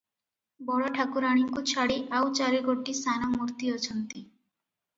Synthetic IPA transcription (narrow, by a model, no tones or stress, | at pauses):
bɔɽaʈʰakuɾaɽ̃iŋkut͡ɕʰaɽeʔawt͡ɕaɾeɡoʈːisanamuɾt̪iɔt͡ɕʰɔnt̪i